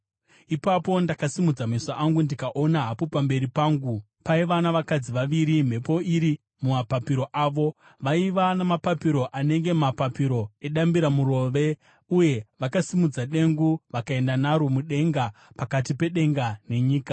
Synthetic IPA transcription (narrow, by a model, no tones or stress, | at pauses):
ipapo̞ndakasimud͡zamisaʔaŋɡundikaʔo̞naɦapopambe̞ɾipaːŋɡu | paiʋanaʋakad͡ziʋaʋiɾim̤e̞po̞iɾi | mumapapiɾo̞ʔaːʋo̞ | ʋaiʋanamapapiɾo̞ʔane̞ŋɡe̞mapapiɾo̞e̞ɗambiɾamuɾo̞ːʋe̞ | uje̞ʋakasimud͡zaɗe̞ŋɡuʋakae̞ndanaɾomuɗe̞ŋɡapakatipe̞ɗe̞ŋɡane̞ɲiːka